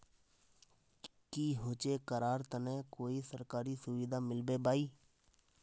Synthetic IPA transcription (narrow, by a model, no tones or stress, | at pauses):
kiːɦot͡ʃekəɾaːɾt̪ənɛ̃koːisəɾkaːɾisʊʋid̪amɪlbebaːiː